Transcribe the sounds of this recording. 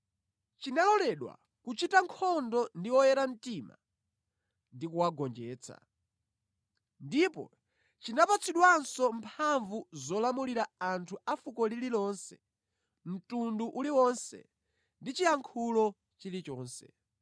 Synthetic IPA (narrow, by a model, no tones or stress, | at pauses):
t͡ʃinalɔlɛɗwa̰ | kut͡ʃitaŋkʰɔndɔndiwɔjɛɾam̩tima̰ | ndikuwaɡɔnd͡ʒɛːt͡sʰa̰ | ndipɔ̰ | t͡ʃinapat͡sʰiɗwansɔmpʰaɱvuzɔlamuliɾaantʰuafukɔlililɔːnsɛ̰ | m̩tunduʔuliwɔnsɛ̰ | ndit͡ʃijaŋkʰulɔ | t͡ʃilit͡ʃɔːnsɛ̰